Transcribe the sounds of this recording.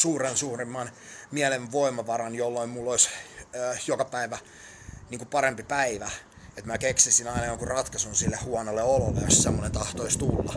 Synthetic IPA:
suːrensuːrimːɑnmiæleʋʋoimːˑɑʋɑɾɑnjolːoimmulːoisː | jokɑpæiʋæ | niːŋkupɑɾempipæiʋæ | et̪mækeksisinɑinɑjoŋkurɑt̪kɑsunsilːehuɑnolːeololːḛjo̰ssemːonent̪ɑht̪oist̪ulːɑ̰

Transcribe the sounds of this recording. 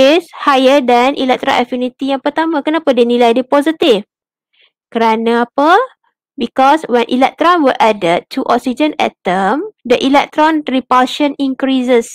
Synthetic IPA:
eshajədanʔḭlɛk̚t̪ɾa̰ʔɛfinit̪ijãŋpət̪amãkənapadinilajdəpɔzit̪if | kəɾanãːpə | bikɔswɛ̃nʔḭlɛk̚t̪ɾɔ̃nwəʔadətʰːuʔɔ̰k̚sid͡ʒə̃nɛ̰t̪əmdəʔilɛk̚t̪ɾɔ̃nripalʃə̃nĩŋkɾisəs

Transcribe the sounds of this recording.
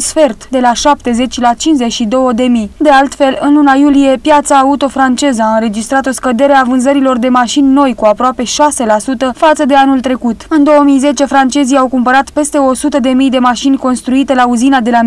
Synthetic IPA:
sfe̞rt̪d̪e̞laʃap̚t̪e̞ze̞t͡ʃʲlat͡ʃint͡ʃzet͡ʃʲʃid̪o̞wəd̪e̞mijd̪e̞alt̪fe̞lɨnlunajulije̞pjat̪saːut̪o̞fɾant͡ʃe̞zəaɨnɾe̞d͡ʒist̪ɾat̪o̞skəd̪e̞ɾeavɨnzəɾilo̞rd̪e̞maʃinʲno̞jkuapɾoape̞ʃase̞lasut̪əfat̪səd̪e̞anult̪ɾe̞kut̪ɨnd̪o̞wəmijze̞t͡ʃe̞fɾant͡ʃe̞zijawkumpəɾat̪pe̞st̪e̞o̞sut̪əd̪e̞mijd̪e̞maʃinʲko̞nst̪ɾuit̪e̞lauzinad̪e̞la

